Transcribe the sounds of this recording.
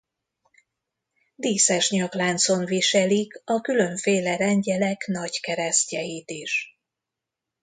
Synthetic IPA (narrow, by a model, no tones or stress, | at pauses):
d̪iːsɛʃɲɒklaːnt̪so̞nviʃɛlikɒkylø̞ɱfeːlɛɾɛɲɟɛlɛknɒɟkɛɾɛscɛjiːt̪iʃ